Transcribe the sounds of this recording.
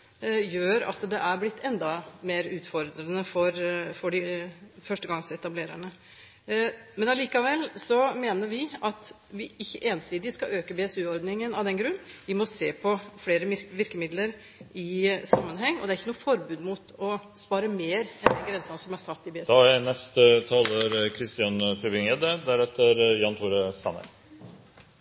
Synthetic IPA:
jøːɾɑ̰t̪d̪ɛʔæɾblɪt̪ʰːɛnd̪ɑmeːɾʉːt̪fɔɾd̪ɾənəfɔɾfɔɖɪfœʂʈəɡɑŋːsɔɛt̪ɑbleːɾæ̰ɳə | mɛnɑliːkɑʋɛlːsɔmeːnəɾʋɪɑt̪ | ʋɪɪçːəʔeːnsiːd̪ɪskɑøːkəbeːɛsʉːɔɾd̪nɪŋənɑʋd̪ɛnɡɾʉnːʋɪmɔseːpʰɔfɽeːɾəʋɪɾkəmɪd̪ləɾ | ɪsɑmːənɦɛŋːɔ̰d̪ɛæɾɪçːənuːəfɔɾbʉːd̪mut̪ɔ | spɑːɾəmeːɾɛnd̪ɛnɡɾɛnsɑnsɔmæsɑt̪ːɪbeːd̪ɑɛnɛst̪ət̪ʰɑːləɾkʰɾɪst̪ɪɑnfɾɪʋɪŋɛd̪əd̪æɾɛt̪ːəɾjɑnt̪ʰuːɾəsɑ̰nə̰ɾ

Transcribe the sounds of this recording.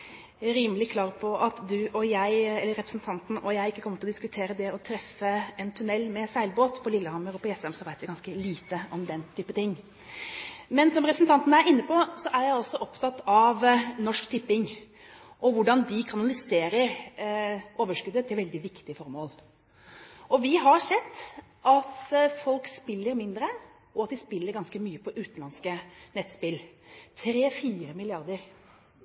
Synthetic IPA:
æɾiːməlɪkʰlɑːɾpʰɔʔɑt̪d̪ʉʔɔjæɪɛlːəɾɛpɾəsnt̪ʰɑnt̪n̩ʔɔjæɪɪkːəkʰɔmət̪ɪlɔd̪ɪskʉt̪ʰeːɾəd̪ɛɔt̪ʰɾɛfːəɛnt̪ʰʉnɛlːmɛsæɪlboːt̪pʰɔlɪlːəhɑmːəɾɔpɔɛsɛmsɔʋæɪt̪ʋɪɡɑnskəliːt̪əɔmd̪ɛnt̪ʰyːpət̪ʰɪŋː | mɛnsɔmɾɛpɾsn̩t̪ɑnt̪nəæɾɪnːəpɔsɔʔæɾjæɪɔsːɔʔɔpt̪ʰɑt̪ːɑʋnɔʂkt̪ʰɪpːɪŋ | ʔɔʋʊɖɑnd̪ɪkʰɑnɑlɪseːɾəɾ | oːʋəʂkʉd̪ət̪ʰːɪlʋɛld̪ɪʋɪkt̪ɪəfɔɾmoːl | ʔɔʋɪɦɑɾʂɛd̪ː | ʔɑt̪fɔlkspɪlːəɾmɪnd̪ɾə | ɔɑt̪̚d̪ɪspɪlːəɾɡɑnskəmyːəpʰɔʔʉːt̪n̩lɑnskənɛt̪spɪlt̪ʰɾeːfiːɾəmɪlɪɑɾd̪əɾ

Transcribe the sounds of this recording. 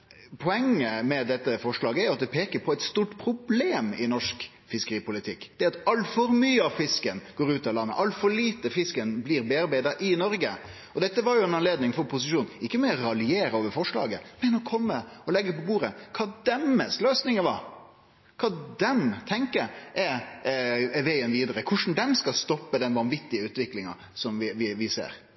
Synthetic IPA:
pʰɔɛŋːəmɛd̪ɛt̪ːəfɔʂɭɑːɡəæɾjʊɑt̪̚d̪ɛpʰeːkəɾpʰɔæɪt̪st̪uːʈpʰɾʊbleːmɪnɔʂk | fɪskəɾiːpʊlɪt̪ʰɪkːd̪̥ɛɑt̪ɑlfɔɾmyːəɑʋfɪskənɡ̥oːɾʉːt̪ɑlɑnːə̰ʔɑlfɔɾɭiːt̪əfɪskənbliːɾbeːɑɾbæɪd̪əɾʔɪnɔɾɡə | ɔd̪ɛt̪ːəʋɑɾjʊɛnɑnleːd̪nɪŋfɔɾpʰʊsɪʃuːnɪkːəmɛɔɾɑlɪeːɾəoːʋəɾfɔʂɭɑ̰ːɡə̰mɛnɔkʰɔmːəɔlɛɡːəpɔbuːɾəkʰɑːd̪ɛmːəsløːsnɪŋəʋɑɾ | kʰɑːd̪ɛmt̪ʰɛŋkəɾʔɛ | ʋæɪənʋiːd̪əɾəkʰʊʂn̩d̪ɛmskɑlst̪ɔpːəd̪ɛnʋɑnʋɪt̪ːɪəʉːt̪ʋɪklɪŋɑ̰ | sɔmʋɪʋɪʋɪsḛːɾ

